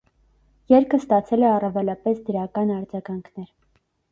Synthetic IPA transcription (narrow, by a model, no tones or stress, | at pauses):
jɛɾkʰəst̪ɑt͡sʰɛlɛɑrɑvɛlɑpɛsd̪əɾɑkɑnɑɾd͡zɑɡɑŋkʰnɛɾ